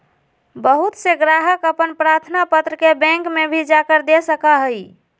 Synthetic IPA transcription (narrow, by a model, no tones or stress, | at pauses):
bəɦut̪seɡɾaɦəkəpənpɾaɾt̪ʰnapət̪ɾəkebɛ̃ŋkmebʱid͡ʒakəɾd̪esəkaɦəj